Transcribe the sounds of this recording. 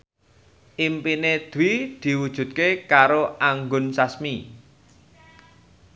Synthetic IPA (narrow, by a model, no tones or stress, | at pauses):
ʔimpined̪̥wid̪̥i̤wud̥ʒ̥ṳt̪̚kekaɾoaŋɡʊnsasmi